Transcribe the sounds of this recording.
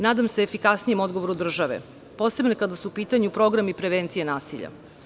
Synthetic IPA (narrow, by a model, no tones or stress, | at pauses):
naːd̪amseːfikasnijemo̞d̪ɡoʋo̞ɾud̪r̩ʒaʋḛ | po̞ːse̞bnokad̪asuupiːt̪aɲupɾo̞ɡɾamipɾeʋent̪sijenaːsiʎa̰